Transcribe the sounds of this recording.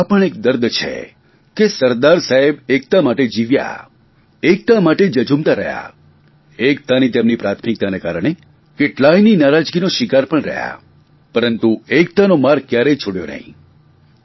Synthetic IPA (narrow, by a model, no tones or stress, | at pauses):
apəɳek̚d̪əɾd̪t͡ʃʰḛ | kesəɾd̪aɾsaɦebek̚t̪amaʈed͡ʒiʋja̰ | ek̚t̪amaʈed͡ʒəd͡ʒumt̪aɾəɦja̰ | ek̚t̪anit̪emnipɾat̪ʰmik̚t̪anekaɾəɳ̃e | keʈlaininaɾad͡ʒɡinoʃɪkaɾpəɳɾə̰ɦja̰ | pəɾənt̪uek̚t̪anomaɾkjaɾet͡ʃʰoɽjo̰nə̰ɦḭ̃